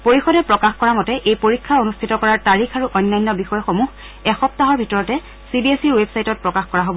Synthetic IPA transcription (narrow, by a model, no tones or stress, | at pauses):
poɹixɔdɛpɹɔkaxkɔɹamɔtɛʔejpoɹikʰːaonustʰitɔkɔɹaɹtaɹixʰaɹuʔɔjnːajnːɔbixɔjɔxomux | ɛxɔp̚taɦɔɹbʱitɔɹɔtɛ | sibiesiɹwebsajtɔt̚pɹɔkaxkɔɹaɦobɔ